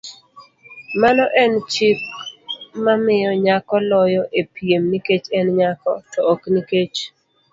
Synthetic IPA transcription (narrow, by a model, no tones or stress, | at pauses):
manɔʔɛnt͡ʃik | mamɪjɔɲakɔlɔjɔʔepijemniket͡ʃɛnɲakɔ̰tɔokniket͡ʃ